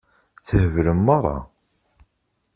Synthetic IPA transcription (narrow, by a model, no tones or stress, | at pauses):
θəhəvləmːɑɾˤɑ̰